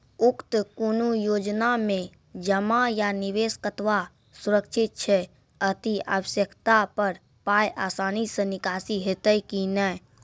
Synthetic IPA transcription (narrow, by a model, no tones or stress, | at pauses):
ukt̪konujod͡ʒnamẽ | d͡ʒəmajaniʋeskət̪ʋa | suɾəkt͡ʃʰit̪̚t͡ʃʰɛ | ət̪ia̰ʋəsjəkʰt̪apəɾ | pajʔa̰sanisə̃nikasiɦet̪əjkinə